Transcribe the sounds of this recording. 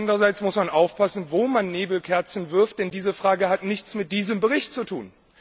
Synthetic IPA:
ndəʁɐzaɪt͡smʊsmanʔaʊfpʰasn̩voːmanːeːbl̩kʰɛɐt͡sn̩vɪɐft̚d̥ɛndiːzəfʁ̥aːɡəɦatnɪçt͡smɪt̚d̥iːzəmbəʁ̞ɪçt̚t͡sutʰuːn

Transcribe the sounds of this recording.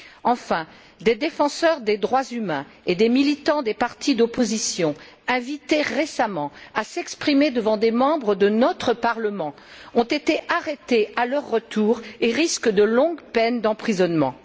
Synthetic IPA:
ɑ̃fɛ̃ | d̪ed̪efɑ̃sœʁd̪ed̪ʁwazymɛ̃ | ed̪emilit̪ɑ̃d̪epaʁt̪id̪opozisjɔ̃ | ɛ̃vit̪eʁesamɑ̃asɛkspχimed̪əvɑ̃d̪emɑ̃bʁəd̪ənɔt̪χəpaʁləmɑ̃ | ɔ̃t̪et̪eʔaʁet̪ealœʁːət̪ʰuːʁeʁiskd̪əlɔ̃ɡpɛnd̪ɑ̃pχizɔnmɑ̰̃

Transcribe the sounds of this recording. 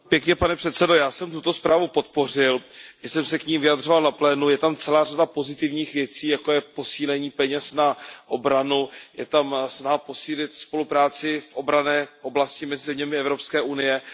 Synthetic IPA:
pjɛkɲɛpanɛpr̥ɛt̪sɛdo̞jaːsɛmt̪ut̪o̞spɾaːvupo̞t̪̚po̞r̝ɪlɪsɛmsɛkɲiːmvɪjad̪ro̞valnaplɛːnujɛt̪amt͡sɛlaːradapo̞zɪt̪ɪvɲiːxvjɛt͡siːjako̞jɛpo̞siːlɛɲiːpɛɲɛsnaʔobɾanujɛt̪amsnaɦapo̞siːlɪt̪spo̞lupɾaːt͡sɪfʔo̞bɾanɛːʔo̞blascɪmɛzɪzɛmɲɛmɪɛvɾo̞pskɛːʔunɪjɛ

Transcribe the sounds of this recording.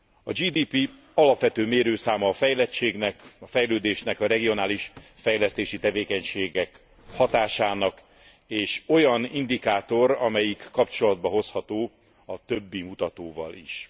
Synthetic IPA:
ɒd͡ʒiːd̪iːpi | ɒlɒpʋɛt̪øːmeːɾøːsaːmɒːfɛjlɛt͡ʃeːɡnɛkɒfɛjløːd̪eːʃnɛkɒɾɛɡio̞naːliʃfɛjlɛst̪eːʃit̪ɛveːkɛɲʃeːɡɛk | hɒt̪aːʃaːnɒk | eːʃo̞jɒnind̪ikaːt̪o̞ɾɒmɛjikːɒpt͡ʃo̞lɒd̪̚bɒɦo̞shɒt̪oː | ɒt̪ø̞bːimut̪ɒt̪oːvɒ̰lḭʃ

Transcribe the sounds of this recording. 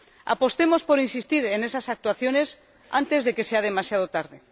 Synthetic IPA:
a̰po̞st̪e̞mo̞spo̞ɾinsist̪iɾene̞sasak̚t̪waθjo̞ne̞s | ant̪e̞zðeke̞seað̞emasjað̞ot̪aɾð̞e

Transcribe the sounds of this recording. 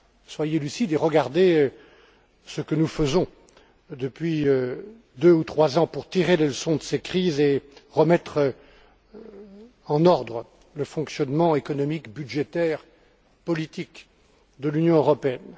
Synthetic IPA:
swajelysid̪eʁəɡaʁd̪eø | səkənufəzɔ̃ | d̪əpɥiø | d̪øut̪χwazɑ̃puʁt̪iʁeleləsɔ̃d̪əsekχizeʁəmɛt̪χ | ɑ̃nɔʁd̪ʁə | ləfɔ̃ksjɔnmɑ̃ekɔnɔmikbyd̪ʒet̪ɛʁ | pɔlit̪ik | d̪əlynjɔ̃øʁɔpeɛn

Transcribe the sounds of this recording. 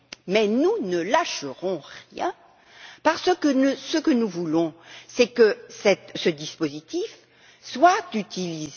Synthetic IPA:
mɛnunəlaʃəʁɔ̃ʁjɛ̰̃ | paʁsəkənəsəkənuvulɔ̃sɛkəsɛt̪səd̪ispozit̪if | swat̪yt̪iliz

